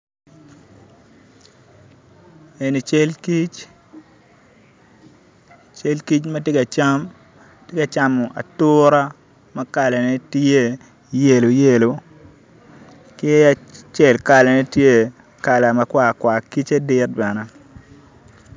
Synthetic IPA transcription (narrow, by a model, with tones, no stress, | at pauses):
e˨ni˨t͡ʃe˦lki˦t͡ʃ | t͡ʃe˦lki˦t͡ʃma˦te˦ka˨t͡ʃa˦m | te˦ka˨t͡ʃa˦mo˨ʔa̰˨tʊ˦ɾa˦ | ma˦ka˨la˨ne˦te˦ | je˨lo˨je˦˨lo˨ | ke˦a˨t͡ʃe˦˨lka˨la˨nɛ˦tje˦ | ka˨la˨ma˨kwa˦˨kwa˨ki˦t͡ʃa˦dɪ˦t̚ba˨na˦